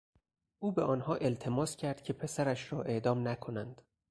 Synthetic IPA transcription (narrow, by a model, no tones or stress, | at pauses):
ʔuːbeɒːnhɒːʔe̞lt̪ʰe̞mɒːscʰæɾd̪̥̚cʲʰe̞pʰe̞sæɾæʃɾɒːʔe̞ʔd̪ɒːmnækʰo̞nænd̪̥